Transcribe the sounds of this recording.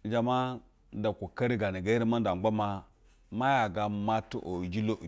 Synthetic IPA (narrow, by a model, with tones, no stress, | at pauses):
d͡ʒa˨ma˦ | n˦da˨kʷu˨ka˦ɾi˦ɡa˨ni˨ɡa˦i˦ɾi˦ma˦n˦da˨ba˦ma˦ | ma˦ja˨ɡa˦ma˦tṵ˦ʔo˨d͡ʒi˦lo˦˨